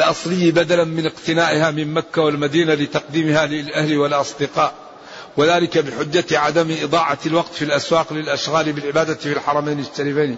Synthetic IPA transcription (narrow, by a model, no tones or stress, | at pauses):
lʔɑsˤlɪjːbad̪alamɪnɪqt̪ɪnaːʔɪhamɪmmakːawalmad̪iːnalɪt̪ɑqd̪iːmɪhalɪlʔahlwɪlʔɑsˤd̪ɪqɑːʔ | wɪðaːlɪkabɪħʊd͡ʒːaʕad̪amʔɨd̪ˤɑːʕɑlwɑqt̪filʔaswaːqlɪlʔaʃɣaːlbɪlʕɪbaːd̪afilħɑɾˤɑmaːnɪt̪ːaɾifaːni